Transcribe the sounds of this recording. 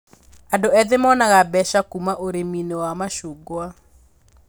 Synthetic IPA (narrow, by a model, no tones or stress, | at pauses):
adoɛðemɔnaɣabɛʃakumaʔoɾeminewamaʃuɡoa